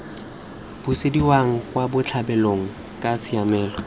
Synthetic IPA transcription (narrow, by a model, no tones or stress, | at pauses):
b̥ʊsediwaŋ̩kʼwabʊt͡ɬʰabɛloŋ̩ | kʼat͡sʰɪamɛːlɔ